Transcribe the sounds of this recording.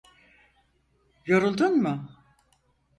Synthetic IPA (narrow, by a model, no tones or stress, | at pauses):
joɾulˠd̪unmʊ